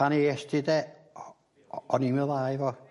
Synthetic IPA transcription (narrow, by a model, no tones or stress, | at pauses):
ɑniest̪it̪e | onimeʋɑiʋo